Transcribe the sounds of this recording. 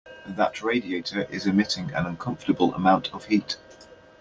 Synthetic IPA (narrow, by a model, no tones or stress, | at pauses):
ðəʔʰɹeɪdieɪtʰəɹʔɪ̰zɪmɪtɪ̃ŋə̰̃nə̃nkʰʌ̃ɱftəbələ̰mãʊ̃ntʰəv̥hiˑt